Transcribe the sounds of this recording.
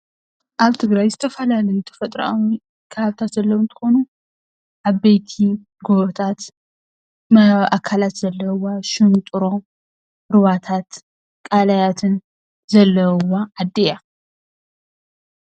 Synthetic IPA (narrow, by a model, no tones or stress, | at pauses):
ʔaβt̪ʰɨɡɾajzɨt̪ʰɐfɐlalɐjut̪ʰɐ̥fɐt̪ʼɾa̰ʔawi | kʰɐβaβt̪ʰat̪zɐlːɐwnt̪ʰɨ̥xo̞nu | ʔaβbejt̪ʰi | ɡoβt̪ʰat̪ | mɐʔakʰːalat̪z̥ɐlːɐwaʃɨnt̪ʼɨɾo̞m | ɾɨβat̪ʰat̪ | kʼalajat̪ʰɨn | zɐlːɐwaːd̪ːeja